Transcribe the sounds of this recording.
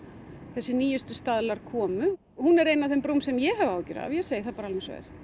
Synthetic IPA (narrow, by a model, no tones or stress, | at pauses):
θɛsːɪniːjʏst̪ʏst̪aðlaɾ̥kʰɔːmʏ | hunɛɾejnavθɛmpɾuwmsɛmjɛɦɛvawcʏ̰ɾa̰ð̰vjɛseːjɪθapaɾalmɛnsva̰ːðɪ̰ɾ̥